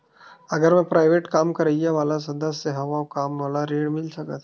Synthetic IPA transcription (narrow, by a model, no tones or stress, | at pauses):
ɐɡəɾmɛ̃pɾaːɪʋeːʈkaːmkɐɾəjaʋaːlas̬ɐ̃nd̪əsːeɦɐʋaokaːmʋaːlaɾeːɽmɪlsɐkət̪ʰ